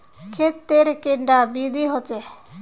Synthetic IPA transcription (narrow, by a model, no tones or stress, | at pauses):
kʰet̪ːeɾekeɳɖabid̪ʱiɦot͡ʃe